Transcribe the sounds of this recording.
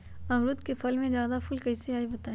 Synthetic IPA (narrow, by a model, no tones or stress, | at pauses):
ɐmɾʊd̪kefɐlmẽzjaːd̪afʊlkɐiseaːibɐt̪aː